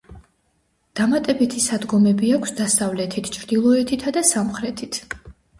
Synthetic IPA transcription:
d̪̥amat̪ʼɛbit̪ʰisad̪ɡɔmɛbiakʰsd̪asavlɛt̪ʰit̪ʰt͡ʃʰɾd̪̥ilˠɔɛt̪ʰit̪ʰad̪asamχɾɛt̪ʰit̪ʰ

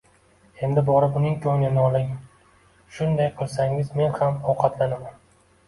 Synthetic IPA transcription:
e̞nd̪ɪbɒɾɪʊnɪŋkʲʰɵnɪnɪɒlɪŋ | ʃʊnd̪ajqʰɨlˠsaŋɪzme̞nhamɒwqʰɑt̪lanaman

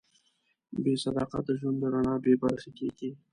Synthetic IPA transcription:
besad̪ɑqa̰t̪̚d̪əʒwand̪d̪əɾaɳɑbebaɾxekeɡi

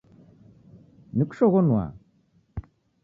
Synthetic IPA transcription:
nɯkʂɔɣɔnuwa̰

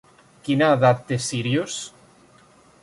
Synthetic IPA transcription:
kinaðap̚t̪esiɾjos

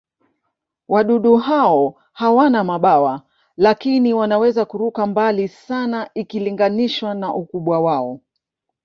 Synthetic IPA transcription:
waɗuɗuɦaɔ | hawanamaɓawa | lakiniwanawɛzakuɾukambalisanaikiliŋɡaniʃwanaʔukuɓwawaɔ

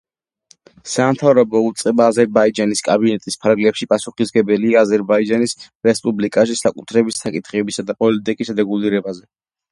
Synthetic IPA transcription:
samt̪ʰavɾɔbɔut̪sʼqʼɛbaːzɛɾbaid͡ʒaniskʼabinɛt̪ʼispʰaɾɡlɛpʃipʼasuχisɡɛbɛliaːzɛɾbaid͡ʒanis | ɾɛspʼublikʼaʃ̬isakʼut̪ʰɾɛbisakʼit̪ʰχɛbisad̪apʼɔlit̪ʼikʼisɾɛɡuliɾɛbazɛ

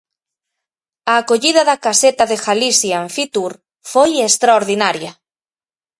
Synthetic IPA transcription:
aːkoʎiðɐðɐkaset̪aðexalisjaɱfit̪uɾ | fojest̪ɾaoɾðinaɾjɐ

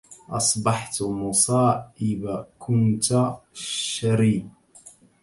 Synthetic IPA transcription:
ʔɑsˤbɑħt̪musˤɑːʔɪbakʰʊnt̪aʃaɾiː

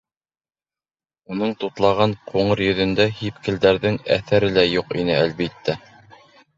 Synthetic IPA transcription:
unɤɴt̪ut̪lˠɑʁɑɴqʰuɴɤɾjɵ̆ðɵ̆nd̪æhipkɘ̆ld̪æɾðɘŋæ̰θæɾɘlæjuqinɘælβit̪ːæ

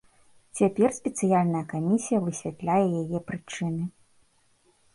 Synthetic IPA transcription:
t͡sʲapʲɛrsʲpʲɛt̪sɨjalʲnɐjɐkamʲisʲijɐvɨsʲvʲat̪lʲajɛjajɛpɾɨt͡ʂɨnɨ

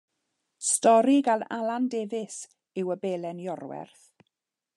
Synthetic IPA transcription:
stɔɾiɡalalˠandeːvɪs | ɪwəbeːlɛnjɔrwɛ̰rθ

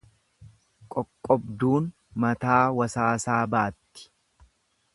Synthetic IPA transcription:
kʼɔkʼːɔbd̪uːn | mɐt̪aːwɐsaːsaːbaːt̪ːɪ̥

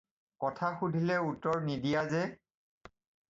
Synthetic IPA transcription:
kɔtʰaxudʱilɛutːɔɹnidijazɛ

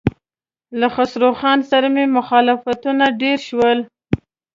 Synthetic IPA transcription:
laxasɾoxɑnsaɾamemʊxɑlɪfat̪unaɖeɾʃwəl

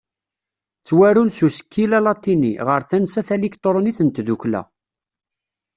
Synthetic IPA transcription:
t͡sːwæɾunsusə̥kʰːilælɑt̪ˤːinḭʁəɾθænsæθælikt̪ˤɾˤoniθənt̪ðuklæ̰

